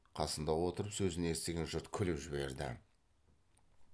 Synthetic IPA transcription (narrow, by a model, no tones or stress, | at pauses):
qʰɑsənd̪ɑwo̞t̪əɾəpsɵzɪneest̪e̞ɡʲe̞nʒʊɾt̪kʲʰʏlɪpʒɪβe̞ɾd̪ɪ̰